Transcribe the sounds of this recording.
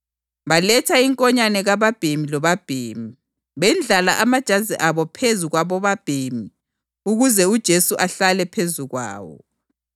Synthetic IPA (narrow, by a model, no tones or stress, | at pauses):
βalɛtʰaiŋkʼɔɲanɛɣaβab̥ʱemilɔβab̥ʱḛːmi | βɛnd͡ɮʱalaʔamad̥ʒ̥ʱaziʔaβɔpʰezuɣwaβɔβab̥ʱemi | uɣuzɛud̥ʒ̥ʱesuʔaɬalɛpʰezuɣwa̰ːwɔ̰